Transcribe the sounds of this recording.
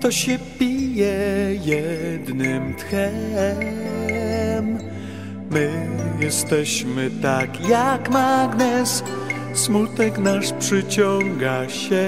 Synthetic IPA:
t̪ɔɕɛpʲijɛjɛd̪nɘmt̪xɛ | mː | ɘjɛst̪ɛɕmɘt̪akjakmaɡnɛs | smut̪ɛknaʂpʂɘt͡ɕɔŋɡaɕɛ

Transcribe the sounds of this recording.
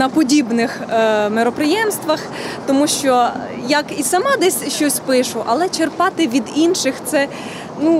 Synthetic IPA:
nɐpɔdʲibnɪxmeɾɔpɾɪjɛmst̪ʋɐx | t̪ɔmuʃt͡ʃɔ | jɐkisɐmɑd̪ɛsʲʃt͡ʃɔsʲpɪʃʊʔɐlˠɛt͡ʃerpɑt̪ɪʋʲid̪inʃɪxt̪sɛ | nu

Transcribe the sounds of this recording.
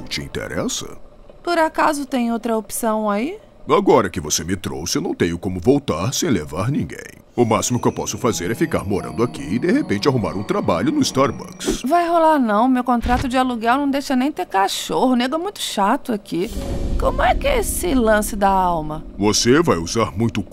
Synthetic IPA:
t͡ʃɪḭ̃nt̪ḛɾɛsɐ̰ | pʊɾakazʊt̪ẽj̃owt̪ɾɐopsɐ̃w̃ai | aɡɔɾɐkɪvosemɪt̪ɾo̰wsɪewnɐ̃w̃t̪ẽɲʊkõmʊvowt̪aɾsẽj̃levaɾnĩɡḛ̃j̃ | ʊmasimʊkɪewpɔsʊfazeɾɛfikaɾmoɾɐ̰̃nd̪ʊakḭɪd̪ehepẽnt͡ʃɪaɦuma̰ɾũt̪ɾabaʎʊnʊist̪aɾbɐ̰ksvajɦolaɾnɐ̃w̃mewkõnt̪ɾat̪ʊd͡ʒɪaluɡɛwnɐ̃w̃d̪ejʃɐnẽj̃t̪eɾkaʃohʊneɡɛmũj̃t̪ʊ̥ʃat̪ʊakikõmʊɛkɪesɪlɐ̃sɪd̪ɐawmɐvosevajuzaɾmũj̃t̪ʊ

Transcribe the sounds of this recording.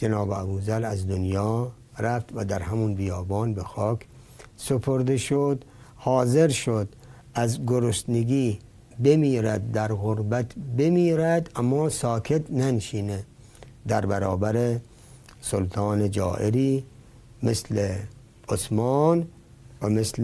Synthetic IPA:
d͡ʒenɒːbeæbuːzælæzd̪onjɒː | ɾæft̪væd̪æɾhæmunbijɒːbɑːnbexɒːkʰ | sepʰoɾd̪eʃod̪hɒːzeɾʃod̪ | æzɡoɾost̪neɡiː | bemiːɾæd̪̚ːæɾɣoɾbæt̪ʰbemiːɾæd̪æmːɒːsɒːkʰe̞t̪nænʃiːne | d̪æɾbæɾɒːbæɾe | solt̪ʰɑːned͡ʒɒ̰ːʔeɾiː | mesle | osmɑːn | æmesl

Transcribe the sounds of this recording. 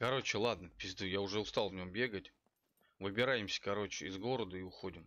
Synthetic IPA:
kɐɾo̞t͡ɕɪlˠad̪nəpʲɪzʲd̪ɨjaʊʐɛʊst̪alˠvnʲo̞mbʲe̞ɡətʲ | vɨbʲɪɾajɪmsʲə̥kɐɾo̞t͡ɕɪɪzɡo̞ɾəd̪əiʊxo̞dʲɪm

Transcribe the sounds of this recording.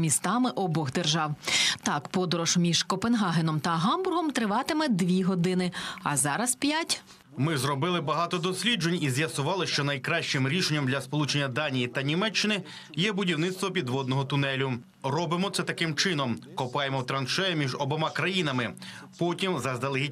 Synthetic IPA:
mʲist̪ɑmɪʔɔbɔɣd̪erʒɑwt̪ɑkpɔd̪ɔɾɔʃmʲiʒ̥kɔpenɦɑɦenɔmt̪ɐɦɑmbʊrɦɔmt̪ɾɪʋɑt̪ɪmɛd̪ʋʲiɦɔd̪ɪnɪɐ̰zɑɾɐspʲjatʲ | mɪzrɔbɪlˠɪbɐɦɑt̪ɔd̪ɔsʲlʲid͡ʒenʲizʲjɐsʊʋɑlˠɪʃt͡ʃɔnɐjkɾɑʃt͡ʃɪmɾʲiʃenʲːɐmd̪lʲɐspɔlˠut͡ʃenʲːɐd̪ɑnʲijit̪ɐnʲimɛt͡ʃːɪnɪ | jɛbʊdʲiwnɪt̪st̪ʋɔpʲid̪ʋɔd̪nɔɦɔt̪ʊnɛlʲʊ | rɔbɪmɔt̪sɛt̪ɐkɪmt͡ʃɪnɔmkɔpɑjemɔwt̪ɾɐnʃɛjɛmʲiʒɔbɔmɑkɾɐjin̪ɐmɪ | pɔtʲimzɐzd̪ɐlˠɪɦi

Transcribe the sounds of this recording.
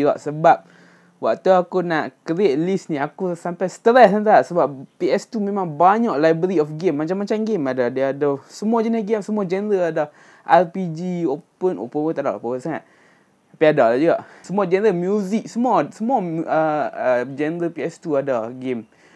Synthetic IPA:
d͡ʒuɡa̰ʔsəbap̚ | waʔt̪uakunaʔkəɾiet̪̚lisnĩakusampajsə̥t̪əɾɛsant̪asəbappiɛst̪umemãŋbaɲɔʔlajbəɾiɔfɡemːat͡ʃamːat͡ʃamɡemadadaadasəmuad͡ʒɛnəɾəɡemsəmuad͡ʒɛnəɾəada | ʔɛlpid͡ʒiopəno̰pəwət̪ada̰ʔo̰pəwəsaŋa̰t̪̚ | apiadadad͡ʒuɡaʔsəmuad͡ʒɛnəɾəmjuzik̚səmuasəmaəəd͡ʒɛnəɾəpiɛst̪uadaɡem

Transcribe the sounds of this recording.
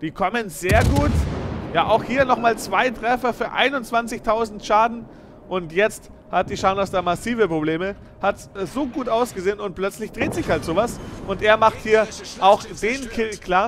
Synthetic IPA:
d̥iːkʰɔmənzeːɐɡuːtjaːʔaʊxhiːɐnɔχmaːlt͡sv̥aɪtʁ̥ɛfɐfyːɐʔa̰ɪnʊnt͡sv̥ant͡sɪçtʰaʊzn̩tʃaːdn̩ | ʔʊntjɛt͡st | hat̚d̥iːʃaʊnɐsd̥aːmasiːvəpʁ̥obleːmə | hatsz̥oːɡuːtʔaʊsɡ̥əzeːənʊnt̚plœt͡slɪçd̥ʁeːtz̥ɪçhaltz̥oːvasʔʊntʔeːɐmaχthiːɐaʊxd̥eːnkʰɪlkʰl̥aːɐ

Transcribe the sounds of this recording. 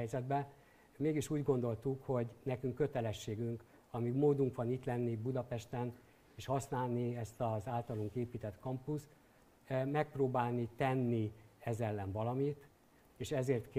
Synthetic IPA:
jzɛd̪bɛ | meːɡiʃuːɟɡo̞nd̪o̞lt̪ukho̞ɟnɛkyŋkːø̞t̪ɛlɛʃːeːɡyŋk | ɒmiɡmoːd̪uŋkʋɒniːt̪lɛnːibud̪ɒpɛʃt̪ɛn | eːʃhɒsnaːlniɛst̪ɒzaːlt̪ɒluŋkeːpiːt̪ɛt̪kɒmpus | mɛk̚proːbaːlnit̪ɛnːiɛzɛlːɛnvɒlɒmit̪ | eːʃɛzeːrt̪k

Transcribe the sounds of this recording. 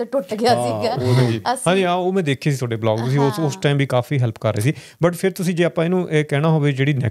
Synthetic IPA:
ʈʊʈɡɪaːsiɡɛːoɦɛ̃ːd͡ʒiːɦãːɲd͡ʒiːaoːmɛ̃ːd̪eːkʰːeːsiːt̪ʰoːɖeːblɔ̰ːɡt̪ʊsĩosʊsʈaːimʋiːkaːfiːɦɛlpkəɾːḛːsiː | bəʈpʰɪɾt̪ʊsĩːd͡ʒeːaːpãːeːnũːʔeːkɛːɽ̃aːɦoːʋeːd͡ʒeːɽiːnɛ̰ː

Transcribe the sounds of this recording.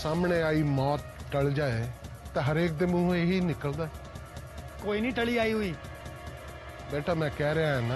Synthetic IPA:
saːmɳeːaːiːmɔːt̪̚ʈəɭd͡ʒaːeːt̪ẽːɦəɾeːk̚d̪ɪmʊ̃eɦiːnɪkəld̪aːɛ | koːiːnĩːʈəɭiːaːiːɦʊiː | bɛːʈʰaːmɛ̃ːkɛːɾeaːɦɛːnaː

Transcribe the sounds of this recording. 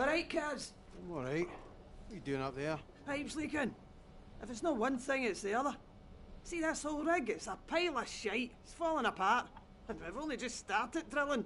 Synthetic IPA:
ɹaɪʔ̚kʰadz̥ | mɔɹaɪʔ | wədʉɪ̃ŋəp̚ðə˞ | apʃl̩ˠikə̃n | ɪfɪtsnoʔwʌ̃nθɪ̃ŋɪtsðiʌðə˞ | siðatsholˠɹɪɡɪtsəpʰaɪlˠəʃaɪʔɪtsfɔlˠɪ̃ŋəpʰaɹʔ | ə̃nwɪvõnlˠid͡ʒʌststaɹtɪt̚dɹɪlˠɪ̃ŋ

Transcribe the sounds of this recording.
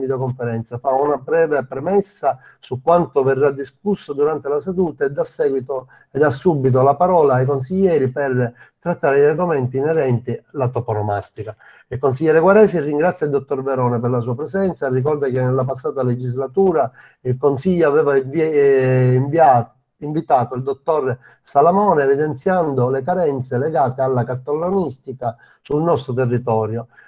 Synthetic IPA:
vid̪jokoɱfeɾɛnt̪safaunabɾɛːvepɾɛmɛsːa | sukːwant̪ovɛrːad̪ːiskusːod̪uɾant̪elased̪uːt̪aed̪ːasːɛːɡwit̪o | ɛd̪asːubːit̪̬olapaɾɔːlaːjk̬onsiʎːɛːɾipɛr | t̪ɾat̪ːaːɾed̪iarɡomɛnt̪iːnɛɾɛnt̪ilat̪ɔponoma̰st̪ika | ilkonsiʎːɛːɾeɡwaɾɛːsirːiŋɡɾat̪sjaild̪ot̪ːɔrvɛɾɔːnɛpɛrlasuːapɾɛzɛnt̪sarːikɔrd̪ak̟enːɛlːapasːaːt̪aled͡ʒizlat̪uːɾa | ilkonsiʎːoavɛːva | iɱva | iɱvit̪aːt̪oild̪ot̪ːɔɾ | salamɔːneːvid̪ɛnt̪sjand̪olekaɾɛnt̪selɛɡaːt̪ealːakat̪ːolːonist̪ika | sulnɔst̪ɾot̪ɛrːit̪ɔːɾjo

